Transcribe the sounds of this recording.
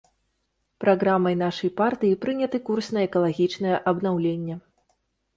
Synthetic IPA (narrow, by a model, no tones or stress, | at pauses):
pɾaɣɾamːɐjnaʂɐjpart̪ɨjipɾɨnʲɐt̪ɨkursʲnɐɛkɐlˠaɣʲit͡ʂnɐjɛʔɐbnawlʲenʲːɛ